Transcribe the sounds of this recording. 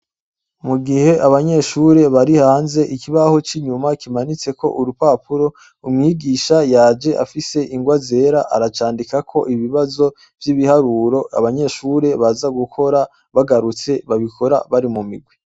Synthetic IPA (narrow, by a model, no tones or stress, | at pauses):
muɡihe̞ʔaβaɲe̞ʃuɾe̞βaɾihaːnze̞ʔikiβaho̞t͡ʃiɲumakimanit͡se̞ko̞̰ʔuɾupaːpuɾo̞ | umŋiːɡiːʃajaːd͡ʒe̞ʔa̰fise̞ʔiŋɡwaze̞ːɾaʔaɾat͡ʃaːndikakʰo̞ʔiβiβazo̞ | vjiβihaɾuːɾo̞a̰βaɲe̞ʃuɾe̞βazaɡukʰo̞ɾa | βaɡaɾut͡se̞βaβikʰo̞ɾa̰βaɾimumḭɡwi